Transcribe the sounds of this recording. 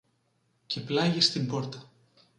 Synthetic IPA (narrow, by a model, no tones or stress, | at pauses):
cʰe̞plɐʝest̪imbo̞ɾt̪ɐ̥